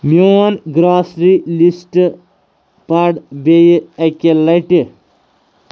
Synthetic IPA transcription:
monɡɾaːsɾilisʈ | paɖbejɐkʲelːɐjʈi

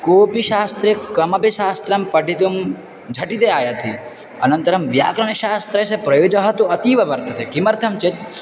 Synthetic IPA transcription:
koːpiʃaːst̪ɾekɐmɐpiʃaːst̪ɾɐmpɐʈit̪um | d͡ʒʱɐʈit̪eaːjat̪ʰi | ɐnɐnt̪ɐɾɐmʋja̰ːkɾɐɳ̃ɐʃaːst̪ɾɐsepɾɐjoːd͡ʒɐɦɐt̪uɐt̪iːʋɐʋɐɾt̪ɐt̪ekimɐɾt̪ʰɐmt͡ʃet̪̚

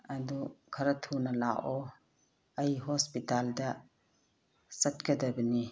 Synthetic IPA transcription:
ɐdukʰɐɾɐtʰunɐlaʔɔ | ɐjɦɔspitaldɐ | sɐt̚kɐdɐbəni

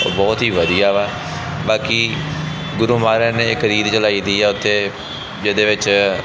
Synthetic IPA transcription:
o̰ːbɔːt̪ɦiːʋəd̪ijaːʋaː | baːkiː | ɡʊɾuːmaːɾɛːneːɪkɾiːd̪t͡ʃəlaːiːd̪iːɛːʊt̪ʰːeː | d͡ʒɪd̪eːʋɪt͡ʃ

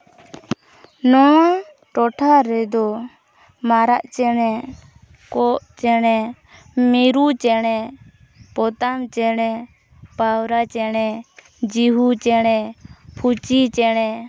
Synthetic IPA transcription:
nɔ | ʈɔʈʰaɾɛd̪ɔ | maɾaʔt͡ʃɛnɛ | kɔʔt͡ʃɛɽɛ | miɾut͡ʃɛɽ̃ɛ | pɔt̪amt͡ʃɛɽ̃ɛ | pawɾat͡ʃɛɽ̃ɛ | d͡ʒiɦut͡ʃɛɽɛpʰut͡ʃit͡ʃɛɽ̃ɛ

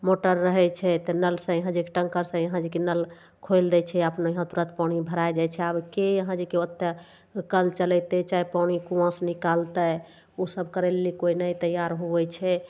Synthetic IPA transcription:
moʈəɾːəɦɛt͡ʃʰɛt̪ənəlsə̃jəɦãd͡ʒekeʈə̃ŋkəɾsə̃jəɦãd͡ʒikenəl | kʰojld̪ɛt͡ʃʰɛapnjəɦãt̪uɾət̪paɽ̃ibʱəɾajd͡ʒajt͡ʃʰɛabkejəɦãd͡ʒekeət̪ːə | kəlt͡ʃəlɛt̪ɛt͡ʃaipawɽ̃ikũə̃snikalt̪ə | osəbkəɾelːikoinəjt̪əjːaɾɦoʋɛt͡ʃʰɛ

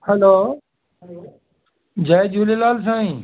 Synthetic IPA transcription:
hɛloː | d͡ʑaːjd͡ʒuːlelaːls̬ãːĩː

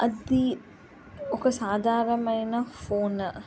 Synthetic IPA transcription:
ʔɐd̪i | okɐsaːd̪ʱaːɾɐmɐjnɐfoːn

